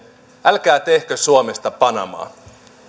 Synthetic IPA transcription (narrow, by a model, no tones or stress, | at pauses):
ʔælkæːt̪e̞hkøsuomest̪ɑpɑnɑ̰mɑ̰ː